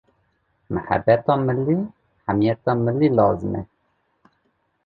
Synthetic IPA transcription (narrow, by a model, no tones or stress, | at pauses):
məħæ̰bːɛt̪ɑːməlːi | ħamijɛt̪ɑːməlːilɑːzəmɛ̰